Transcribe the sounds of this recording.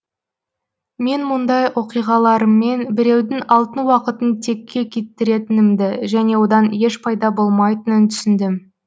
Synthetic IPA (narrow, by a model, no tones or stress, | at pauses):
me̞nmʊnd̪ɑjwo̞qijʁɑlˠɑɾəmːe̞nbɪɾe̞wd̪ɪŋɑlˠt̪ənwɑqət̪ənt̪ʰe̞kʲːe̞kʲʰe̞t̪ːɪɾe̞t̪ɪnɪmd̪ɪʒæne̞wo̞d̪ɑnje̞ʃpʰɑjd̪ɑbo̞lˠmɑjt̪ənənt̪ʰʏ̥sɪnd̪ɪm